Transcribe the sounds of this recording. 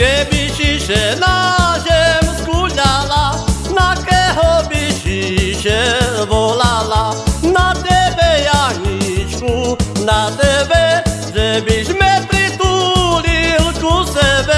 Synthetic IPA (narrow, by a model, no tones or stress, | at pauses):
kɛbiʃiʃɛnazɛmskuʎalanakɛɦɔbiʃiʃɛʋɔlalanat̪ɛbɛjaɦɲit͡ʃkunat̪ɛbɛ | ʒɛbiʒmɛpɾit̪ulilkusɛbɛ